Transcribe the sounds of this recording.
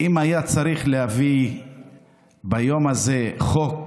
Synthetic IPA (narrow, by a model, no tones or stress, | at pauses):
imajat͡saɾiχlehavi | bajomazeχok